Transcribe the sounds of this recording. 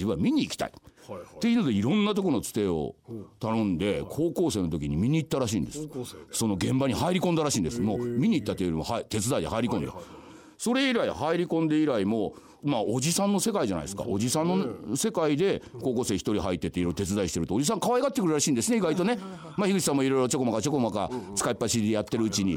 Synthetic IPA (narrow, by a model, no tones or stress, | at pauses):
d͡ʑibɯ̃amʲiɲ̟iːkʲi̥t̪a̰ḭt̪ːe̞inod̪eiɾõ̞nːat̪o̞k̬onot͡sɨ̥t̪e̞ːo̰t̪anõ̞nd̪e̞kʰo̞ːkoːse̞ːno̞t̪̬o̞kʲiɲ̟imʲiɲ̟iːt̪ːaɾaɕḭ̃ːnd̪e̞sɨ̥so̞no̞ɡẽ̞mbaɲ̟ihaiɾʲikõ̞nd̪aɾaɕĩːnd̪e̞sɨ̥momʲiɲ̟iːt̪ːat̪ːejoɾimohat̪e̞t͡sɨd̪aid̪ehaiɾʲikõ̞nd̪a̰ | so̞ɾe̞iɾaihaiɾʲikõnd̪e̞iɾaimo̞ | maod͡ʑisãnːo̞se̞kaiʑana̰ḭesɨ̥ka̰o̞d͡ʑisãnːo̞se̞kaid̪e̞ko̞ːko̞ːse̞ːçi̥t̪o̞ɾʲiɦait̪ːe̞t̪ːeiɾoiɾot̪e̞t͡sɨd̪aiɕit̪e̞ɾɯ̟t̪od͡ʑis̬ãŋkaβaiɡat̪ːekɯɾɯɾaɕĩːnd̪e̞sɨneiɡait̪o̞ne | maçiɡɯ̟ɕi̥s̬ãmːoiɾo̞iɾo̞t͡ɕo̞ko̞makat͡ɕo̞ko̞maka̰t͡sɨ̥kaipːaɕid̪ejat̪ːe̞ɾɯ̟ɯt͡ɕiɲ̟i